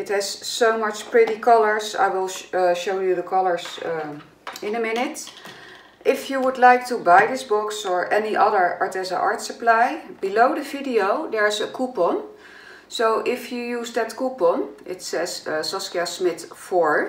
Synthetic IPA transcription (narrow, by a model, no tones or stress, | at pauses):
ɪthɛz̥soʊmʌt͡ʃpɹɪɾikʰɔlˠə˞za̰ɪwɪlˠʃoʊjuðəkʰʌlˠə˞z | ɪ̃nəmɪnɨt | ʔɪfjuwʊdˡlaɪk̚tubajðɪsbʊksə˞ʔɛniʔʌðə˞ɑɹtɛzə̰ʔɑɹtsəplajb̥iloʊdəvidioʊðəɹzəkʰupɔn | soʊʔɪfjujuːzdɨtkupɔnʔɪtsɛz̥sɑskiasmɪθfɔɹ